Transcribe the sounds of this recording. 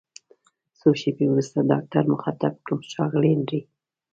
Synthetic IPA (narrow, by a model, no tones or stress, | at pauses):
soʃebewɾust̪adɑ̰k̚ʈaɾmʊxat̪ab̚kumʃɑɣlenɾi